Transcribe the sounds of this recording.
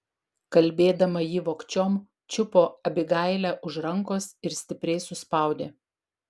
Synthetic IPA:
kɐlʲˑbʲeːd̪ɐmɐjiːʋoːkt͡ʃʲoːm | t͡ʃʲʊpoːɐbʲɪɡɐˑɪlʲæːʔʊʒɾɐŋkoːsɪɾsʲt̪ʲɪpʲɾʲɛɪsʊspɑˑʊd̪ʲeː

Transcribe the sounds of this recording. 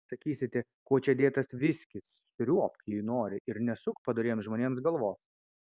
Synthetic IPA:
sɐkʲiːsʲɪt̪ʲɛ | koɔt͡ʃʲɛd̪ʲeːt̪ɐsʋʲɪsʲkʲɪs | sʲʊɾʲuɔpjɪnoːɾʲɪʔɪɾnʲɛsʊkpɐd̪ɐɾʲeːjomsʒmoːnʲeːmsɡɐlˠʋoːs

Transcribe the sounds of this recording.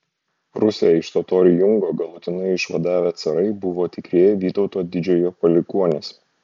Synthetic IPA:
ɾʊsʲejɛɪʃt̪oːt̪oːɾʲɪjʊŋɡoːɡɐlˠʊt̪ʲɪnɐɪɪʃʋɐd̪ɑːʋʲæt̪sɐɾɐɪbʊʋoːt̪ʲɪkɾʲiɛjɛʋʲiːt̪ɒʊt̪oːd̪ʲɪd͡ʒʲɛjoːpɐlʲɪkuɔnʲes

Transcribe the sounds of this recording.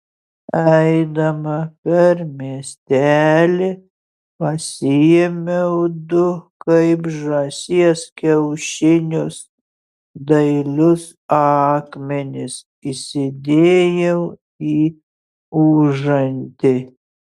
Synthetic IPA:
ɛɪd̪ɐmɐpʲɛɾmʲiɛsʲt̪ʲæːlʲɪ | pɐsʲɪjɛmʲɛʊd̪ʊkɐɪpʒɐsʲiɛskʲɛʊʃʲɪnʲʊs | d̪ɐɪlʲʊs | ɑːkmʲɛnʲɪs | isʲɪd̪ʲeːjɛʊ | iː | uːʒɐnʲt̪ʲɪ

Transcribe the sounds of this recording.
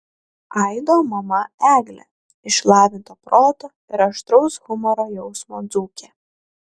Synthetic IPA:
ɐɪd̪oːmɐmɐæːɡlʲɛ̰ | ɪʃlˠɑːʋʲɪnt̪oːpɾʔoːt̪oː | ɪɾɐʃt̪ɾɔʊsɣʊmɔɾoːjɛʊsmoːd̪zuːkʲeː

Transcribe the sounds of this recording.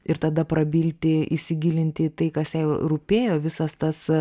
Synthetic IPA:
ɪɾt̪ɐd̪ɐpɾɐbʲiːlʲt̪ʲɪisʲɪɡʲiːlʲɪnʲt̪ʲɪt̪ɐɪkɐsjɛɪɾʊpʲeːjoːʋʲɪsɐst̪ɐs

